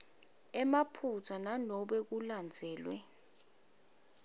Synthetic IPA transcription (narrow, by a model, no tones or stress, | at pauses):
ɛmapʰut͡sʰananɔɓɛk̬uland͡zʱɛːlwɛ